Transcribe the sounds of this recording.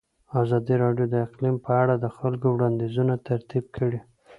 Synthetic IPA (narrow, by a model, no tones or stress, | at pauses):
azɑd̪iɾɑɖjod̪əɪqlimpəaɽad̪əxalkowɽɑnd̪izunat̪aɾt̪ib̚kʰəɽi